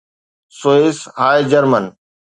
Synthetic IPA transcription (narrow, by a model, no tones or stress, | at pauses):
soːeshaːjd͡ʑəɾmən